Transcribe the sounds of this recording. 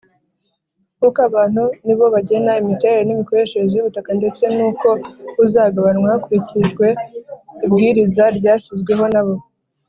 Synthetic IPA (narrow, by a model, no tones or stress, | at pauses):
hukaβaːn̥uniβo̞βaɟe̞naimite̞ɾeɾenimiko̞ɾe̞ʃeɾezejuβutakande̞t͡se̞nuːko̞uzaːɡaβanwahakuɾiciʒɡwe̞ibɡiːɾizaɾɟaːʃizɡwe̞ɦo̞naβo̞